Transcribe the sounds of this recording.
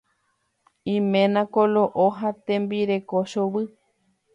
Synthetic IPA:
ĩmẽnãkoloʔoɦat̪ẽmbiɾekoʃoβɨ

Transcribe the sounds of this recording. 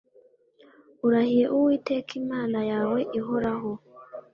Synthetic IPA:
uɾahijeʔuwitekʰimaːnajawe̞ʔiɦoɾaho

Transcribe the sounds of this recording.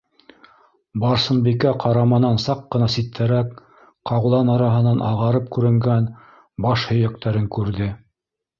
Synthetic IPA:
bɑɾsɤ̆nbikæqʰɑɾɑmɑnɑnsɑqːɤ̆nɑsit̪ʰːæɾæk | qɑwlˠɑnɑɾɑɦɤ̆nɑnʔɑ̰ʁɑɾɤp̚kʉɾɘ̆ŋɡæn | bɑʃhɵ̆jæk̚t̪æɾɘŋkʉɾðɘ

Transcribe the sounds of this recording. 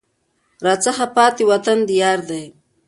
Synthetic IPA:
ɾɑːt͡saxapɑːt̪iwat̪and̪ijɑːɾd̪aj

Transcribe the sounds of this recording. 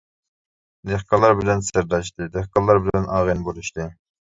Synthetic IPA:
neχkɑlˠːɑɾbɪlɛnsɪɾd̪ɑʃt̪ɨd̪ɛχkɑlˠːɑɾbɪlɛnʔɑːʁinbolˠuʃt̪ɨ

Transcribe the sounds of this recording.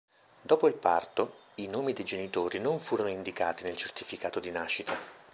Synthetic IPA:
d̪ɔːpoilpa̰rt̪o | inoːmid̪ejd͡ʒenit̪oːɾinoɱfuːɾonoind̪ikaːt̪inelt͡ʃert̪ifikaːt̪od̪inaːʃːit̪a

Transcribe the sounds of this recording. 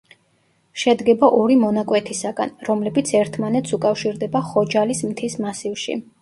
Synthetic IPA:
ʃɛd̪ɡɛbaʔɔɾimɔnakʼwɛt̪ʰisaɡa̰nɾɔmlɛbit̪sʰɛɾt̪ʰmanɛt̪sʰukʼafʃiɾd̪ɛbaχɔd͡ʒalismt̪ʰismasivʃḭ

